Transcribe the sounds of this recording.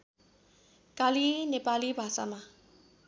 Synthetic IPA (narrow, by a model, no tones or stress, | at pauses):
kalinepalibʱasa̰ma